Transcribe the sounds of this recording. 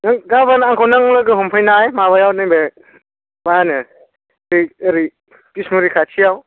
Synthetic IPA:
naŋɡaβanaŋkʰawnaŋlaɡɯɦɔmpʰajnajmaβajawnɯjbe | baanɯ | ɾiːɾi | pismuɾikʰat͡ʃʰijaw

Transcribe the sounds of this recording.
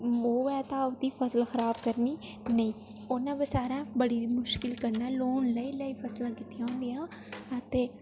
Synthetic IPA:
oːʋɛːt̪ãːʊd̪iːpʰəsəlxəɾaːbkəɾniː | nəĩː | ʊnãːbəsaːɾãːbəɽiːmʊʃkɪlkəɾnɛːloːnləiːləiːpʰəslãːkɪt̪ijãːõːnd̪ijãː | ət̪eː

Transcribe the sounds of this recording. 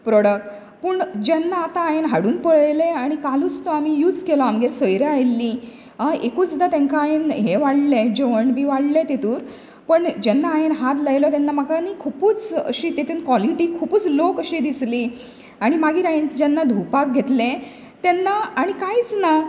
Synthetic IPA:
pɾɔɽək̚ʈ | pəɳd͡ʑɛnːaːt̪aːjenɦaɽuːnpəɭeleaɽ̃ikaluːt͡st̪ɔamijuːd͡zkelɔamɡeɾsəjɾeajlːi | aekuːt͡sd̪at̪ẽŋkaajenɦeʋaɽled͡ʑeʋəɳbʱiːʋaɽlẽt̪et̪uːɾ | pəɳd͡ʑɛnːaːjenɦat̪ləjlɔt̪ɛnːamakanikʰupuːt͡sə̰ɕiːt̪et̪unkʋɔliʈiːkʰupuːt͡slokəɕid̪isli | aɽ̃imaɡiːɾaind͡ʑɛnːad̪ʱupak̚ɡʱet̪lẽ | t̪ɛnːaaɽ̃ikaiːt͡sna

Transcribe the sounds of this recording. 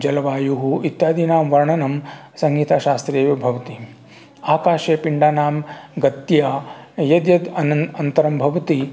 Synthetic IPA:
d͡ʒɐlɐʋaːjuɦuit̪jaːd̪inaːmʋɐɾɐɳɐnɐm | sɐŋɡiːt̪aːʃaːst̪ɾeːjɐbʱɐʋɐt̪i | aːkaːʃeːpiɳɖaːnaːmɡɐt̪jaːjɐd̪jɐd̪ɐnɐɐnt̪ɐɾɐmbʱɐʋɐt̪i

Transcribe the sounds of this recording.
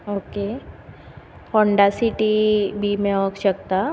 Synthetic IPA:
oke | hɔɳɖasiʈibʱimeʋəkɕək̚t̪a

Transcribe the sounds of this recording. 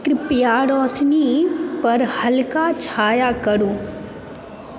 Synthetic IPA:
kɾɪpjaːɾɔːsnipɐɾhɐlkat͡ʃʰaːjakəɾuː

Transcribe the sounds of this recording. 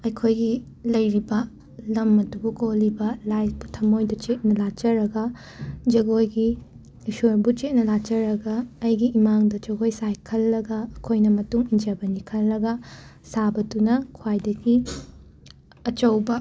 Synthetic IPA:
ɐjkʰojɡi | lɐjɾibɐ | lɐmɐdubukolibɐlajbutʰɐmojdɐt͡ʃet̚nɐlat͡ʃɐɾɐɡɐ | d͡ʒɐɡojɡi | sojbut͡ʃet̚nɐlat͡ʃɐɾɐɡɐːjɡiimaŋdɐd͡ʒɐɡojsajkʰɐlːɐɡɐɐkʰojnɐmɐtuŋind͡ʒɐbɐnikʰɐlːɐɡɐsabɐdunɐkʰwajdɐɡi | ɐt͡ʃɐwbɐ

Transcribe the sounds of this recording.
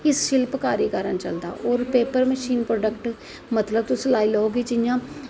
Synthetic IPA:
ɪsʃɪlpkaːɾiːkəɾənt͡ʃəld̪a̰ːʔɔːɾpeːpəɾməʃiːnpɾoːɖəkʈ | mət̪ləb̚t̪ʊslaːiːləoːɡiːd͡ʒɪjãː

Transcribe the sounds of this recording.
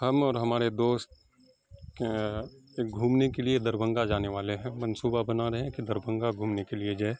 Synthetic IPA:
hɐmɔːɾɦɐmaːɾed̪oːst̪̚ | eːkɡʱuːmnekelied̪ɐɾbʱə̃ŋɡad͡ʒaːneʋaːleɦɛ̃mɐnsuːbabɐnaɾɐɦɛ̃kid̪ɐɾbʱə̃ŋɡaɡʱuːmnekelied͡ʒaːe

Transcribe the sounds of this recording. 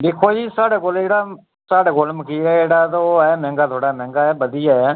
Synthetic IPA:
d̪eːkʰoːd͡ʒiːsaːɽeːkoleːɽaː | saːɽeːkoːlməkiːɛːeːɽaːt̪oɛːmɛ̃ːŋɡaːt̪ʰoːɽaːmɛ̃ːŋɡaːɛːbəd̪ijaːɛː

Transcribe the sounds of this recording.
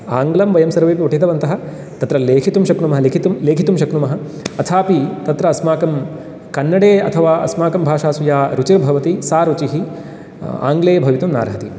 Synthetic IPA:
aːŋɡlɐmʋɐjɐmsɐɾʋeːpiuʈʰit̪ɐʋɐnt̪ɐɦɐ̆ | t̪ɐt̪ɾɐleːkʰit̪umʃɐknumɐɦɐlekʰit̪umleːkʰit̪umʃɐknumɐɦɐ̆ | ɐt̪ʰaːpit̪ɐt̪ɾɐːsmaːkɐm | kɐnːɐɽeːɐ̰t̪ʰɐʋaːɐ̰smaːkɐmbʱaːʃaːsujaːɾut͡ʃiɾbʱɐʋɐt̪isaːɾut͡ʃiɦi | a̰ːŋɡleːɐbʱɐʋit̪umna̰ːɾɦɐt̪i

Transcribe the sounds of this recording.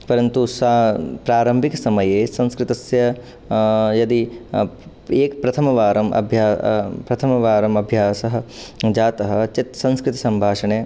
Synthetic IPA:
pɐɾɐnt̪usapɾaːɾɐmbʱiksɐmɐjeːsɐ̃nskɾɪt̪ɐsjɐ | jɐd̪i | eːkpɾɐt̪ʰɐmɐʋaːɾɐmɐ̰bʱjaːpɾɐt̪ʰɐmɐʋaːɾɐmɐbʱjaːsɐɦɐ̆d͡ʒaːt̪ɐɦɐ̆t͡ʃit̪sɐ̃nskɾɪt̪ɐ̥sɐmbʱaːʂɐɳeː

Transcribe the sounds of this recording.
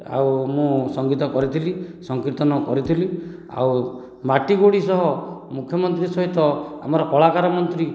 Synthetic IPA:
a̰wmũsɔŋɡit̪ɔkɔɾit̪ʰilisɔŋkiɾt̪ɔnɔkɔɾit̪ʰili | a̰w | maʈiɡoɽisɔɦɔmukʰjɔmɔnt̪ɾisɔɦit̪ɔa̰mɔɾɔʔɔɭakaɾɔmɔnt̪ɾi

